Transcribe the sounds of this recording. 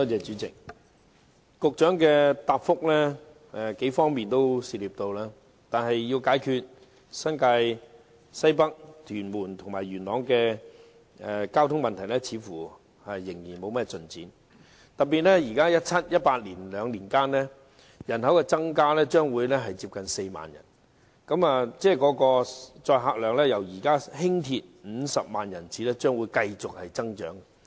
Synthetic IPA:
t̪ɔː˥t͡sɛː˨˧t͡ʃyː˨˥t͡sɪ˨k̚ | kʊ˨k̚t͡ʃœː˨˥ŋkɛː˧t̪aː˧p̚fʊ˥k̚lɛː˥ | ɛ˧ke˨˥jfɔː˥ŋmiː˨nt̪o˥wsiː˨liː˨p̚t̪o˧wlaː˥ | t̪aː˨nɦɐ˨jːi˧wkaː˨˥jkʰyː˧t̚ | sɐ˥nkaː˧j | sɐ˥jp̬ɐ˥k̚t̪ʰyː˨˩nmuː˨˩nt̪ʰʊ˨ŋma̰ː˨˩jɥyː˨˩nlɔː˨˥ŋkɛː˧ | ɛ˧kaː˥wt̪ʰʊ˥ŋmɐ˨nt̪ʰɐ˨˩jlɛ˥t͡sʰiː˨˥fuː˨˩ | hɐ˨jːɪ˨˩ŋjiː˨˩nmo˨˧wmɛː˥t͡sɵ˨nt͡sḭː˨˥n | t̪ɐ˨˩pːiː˨t̚lɛː˥jiː˨˩kaː˥jɐ˥t̚t͡sʰɐ˥t̚jɐ˥t̚paː˧t̚liː˨˩nlœː˨˧ŋliː˨˩nkaː˥nlɛː˥ | jɐ˨˩nɦɐ˨˥wkɛː˧t͡sɐ˥ŋkaː˥lɛː˥t͡ʃœː˥ŋwuː˨˧jlɛ˥ɦɐ˨jt͡siː˧p̚kɐ˨nse˧jma̰ː˨njɐ̰˨˩n | kɐ˨˥ma˨˧t͡sɛː˥˩kɔː˨˥kɔː˧t͡sɔː˧jɦaː˧k̚lœː˨ŋlɛː˥jɐ˨˩wjiː˨˩kaː˥ɦɪ˥ŋt̪ʰi˧t̚m̩˨˧sɐ˨p̚maː˨njɐ˨˩nt͡siː˨˥lɛː˥t͡ʃœː˥ŋwuː˨˧˥jkɐ˧jt͡sʊ˨k̚hɐ˨jt͡sɐ˥ŋt͡ʃœ̰ː˨˥ŋ

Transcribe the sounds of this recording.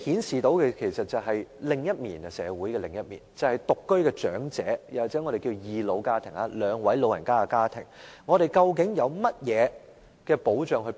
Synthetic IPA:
hiː˨˥nsiː˨t̪o˨˥wkɛ˧kʰe˨˩jsɐ˨t̚t͡sɐ˨wɦɐ˨jlɪ˨ŋjɐ˥t̚miː˨˩nɐ˨sɛ̰ː˨˧wu˨˥jkɛː˧lɪ˨˩ŋjɐ˥t̚mḭː˨˩nt͡sɐ˨whɐ˨jt̪ʊ˨kːɵ˥ɥkɛː˧t͡ʃœː˨˥ŋt͡sɛː˨˥jɐ˨˩waː˨˩t͡sɛː˨˥ŋɔː˨˧ɾe˨jki˧wjiː˨lo˨˧wkaː˥t̪ʰɪ˨˩ŋa˨˧lœː˨˧ŋwɐ˨˥jlo˨˧wjɐ˨˩nkaː˥a˧kaː˥t̪ʰɪ̰˨˩ŋŋɔː˨˧ɾe˨jkɐ˧wk̬ɪ˨˥ŋjɐ˨˧wmɐ˥t̚jɛː˨˧ | kɛː˧po˨˥wt͡ʃœː˨ŋɦɵ˧

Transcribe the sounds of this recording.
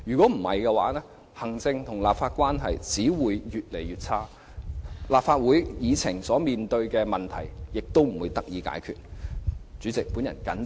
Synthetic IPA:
jyː˨kɔ˨˥m̩˨˩hɐ˨jkɛ˧wa̰ː˨˥nɛː˥ | hɐ˨˩ŋt͡sɪ˧ŋt̪ʰʊ˨˩ŋlaː˨p̚faː˧t̚kʷaː˥nɦɐ̰˨jt͡siː˨˥wuː˨˧jjyː˨t̚le˨˩jyː˨t̚t͡sʰaː˥ | laː˨p̚faː˧t̚wuː˨˥jjiː˨˧t͡sʰɪ˨˩ŋsɔː˨˥miː˨nt̪ɵ˧ɥkɛː˧mɐ˨nt̪ʰɐ̰˨˩jjɪ˨k̚t̪o˥wm̩˨˩wu˨˧jt̪ɐ˥k̚jiː˨˧ka̰ː˨˥jkʰy̰ː˨t̚ | t͡syː˨˥t͡sɪ˨k̚puː˨˥njɐ̰˨˩nkɐ˨˥n

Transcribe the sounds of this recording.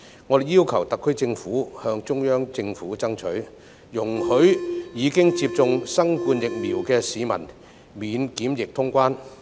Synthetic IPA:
ŋɔ˨˧˥e˨jiː˥wkʰɐ˨˩wt̪ɐ˨kʰːɵ˥ɥt͡sɪ˧ŋfuː˨˥hœː˧ŋt͡ʃʊ˥ŋjœː˥ŋt͡sɪ˧ŋfuː˨˥t͡sɐ˥ŋt͡ʃʰɵ˨˥ɥ | jʊ˨˩ŋhɵ˨˥ɥjiː˨˧kɪ˥ŋt͡siː˧p̚t͡sʊ˧ŋsɐ˥ŋkuː˧njɪ˨k̚miː˨˩wkɛː˧siː˨˧mɐ̰˨˩n | miː˨˧nkiː˨˥mjɪ˨k̚t̪ʰʊ˥ŋkʷaː˥n

